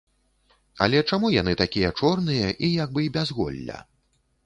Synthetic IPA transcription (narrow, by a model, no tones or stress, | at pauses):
ɐ̰lʲɛt͡ʂamujanɨt̪akʲijɐt͡ʂɔrnɨjɐʔijaɡ̚bɨbʲazɣɔ̰lʲːɐ̰